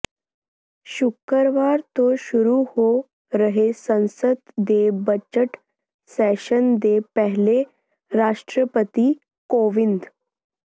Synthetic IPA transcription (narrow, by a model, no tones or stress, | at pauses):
ɕukːəɾʋaɾt̪oɕuɾuho | ɾəɦesə̃ñsət̪d̪ebət͡ɕəʈ | sɛɕənd̪epəɦle | ɾaʂʈɾəpət̪i | koʋind̪